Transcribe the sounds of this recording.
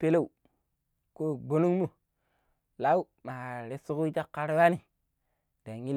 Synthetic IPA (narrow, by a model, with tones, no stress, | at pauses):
pe˦le˦u˨ | ko˦˨ɡ͡bo˦nu˦ŋmu˨ | la˨˦u˦ | ma˨ɾe˦su˦ku˦i˦ta˦kːa˦ɾwa˦ni˨ | d̥a˨ɲi˦l